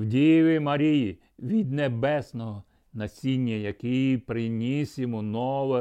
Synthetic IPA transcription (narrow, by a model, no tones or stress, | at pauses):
wdʲijʋʲɪmɐɾʲiji | ʋʲid̪nebɛsnɔɦɔ | nɐsʲinʲːɐjɐkɪjpɾɪnʲisʲɪmɔnɔʋɛ